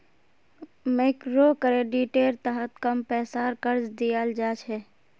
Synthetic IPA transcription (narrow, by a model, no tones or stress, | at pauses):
mekɾokɾeːɖiʈeːɾt̪əɦət̪kəmpɛːsaːɾkəɾd͡ʒd̪ijəld͡ʒaːt͡ʃʰɛː